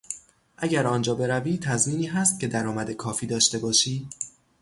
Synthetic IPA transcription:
ʔæɟæɾɒːnd͡ʒɒːbe̞ɾæviːt̪ʰæzmiːniːɦæːst̪̚cʰʲe̞d̪æɾɒːmæd̪e̞kʰɒːfiːd̪ɒːʃt̪e̞bɒːʃiː

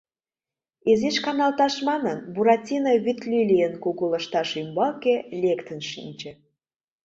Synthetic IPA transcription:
ezeʃkɑnɑlt̪ɑʃmɑnənbuɾɑtʲinəβyt̪lʲilijənkuɣulə̆ʃt̪ɑʃymbɑkelʲekt̪ənʃḭnʲt͡ɕĕ

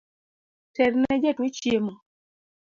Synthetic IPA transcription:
tɛɾnɛd͡ʒɛtwet͡ʃjemɔ

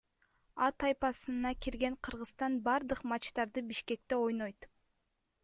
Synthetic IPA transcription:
ɑt̪ʰɑjpɑsɯnɑkiɾɡe̞ŋqʰɯɾʁɯst̪ɑnbɑɾd̪ɯqmɑt͡ʃt̪ɑɾd̪ɯbiʃke̞k̚t̪e̞o̞jno̞jt̪

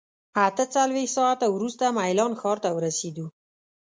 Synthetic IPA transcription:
at̪ət͡salwext̪sɑat̪awɾust̪amajlɑnxɑɾt̪awəɾased̪u

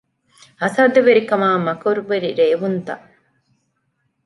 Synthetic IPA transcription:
ɐsɐːd̪ɐʋeɾikɐmaːmɐkoɾuʋeɾiɾeːʋunt̪ɐ̰ʔ

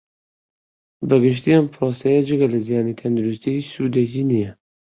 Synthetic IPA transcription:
bɐɡɨʃ̬t̪iʔɐmpʰɾoːsɛjɐd͡ʒɨɡɐlɐzijaːnit̪ʰɐnd̪uɾust̪iit͡ʃsuːd̪eciːnijɛ

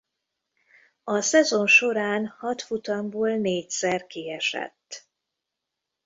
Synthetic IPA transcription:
ɒsɛzo̞nʃo̞ɾaːnhɒt̪fut̪ɒmboːlneːcsɛrkiɛʃɛ̰t̪ː

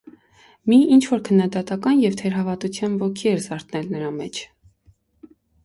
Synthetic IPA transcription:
miint͡ʃʰvɔɾkʰənːɑd̪ɑt̪ɑkɑnjɛvt̪ʰɛɾɦɑvɑt̪ut͡sʰjɑnvɔkʰiɛɾzɑɾt̪nɛlnəɾɑmɛt͡ʃʰ

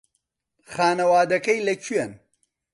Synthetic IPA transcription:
xaːnɐwaːd̪ɐkɐjlɐt͡ʃʰɥɛn

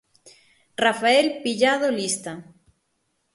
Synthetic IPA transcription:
rafaelpiʎaðolist̪a

